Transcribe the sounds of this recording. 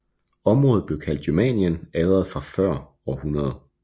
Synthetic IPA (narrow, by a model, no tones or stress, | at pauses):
ɒ̽mʁɔ̽ːðð̩ˠb̥leʊkʰæl̰d̥ɡ̥ymɛ̰njənɛðˠɐð̩ˠfʁɑ̈fɶɐ̰ | ɒhunʁɐð̞ˠ